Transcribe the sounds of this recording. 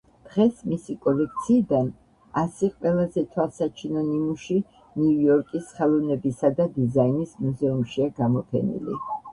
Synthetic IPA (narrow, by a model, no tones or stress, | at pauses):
d̪̥ʁɛsmisikʼɔlɛk̚ʰt̪sʰiːd̪an | asɛqʼwɛlˠazɛt̪ʰwalˠsat͡ʃʰinɔnimuʃi | niujɔɾkʼisχɛlˠɔvnɛbisad̪ad̪izainismuzɛumʃiaɡamɔpʰɛ̰nḭlḭ